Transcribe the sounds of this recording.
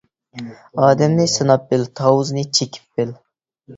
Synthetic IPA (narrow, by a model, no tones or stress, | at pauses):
ɑːd̪ɛmnɪsɨnɑp̚bɪlt̪ʰɑwʊznɨt͡ʃʰekʲʰi̥pːɪl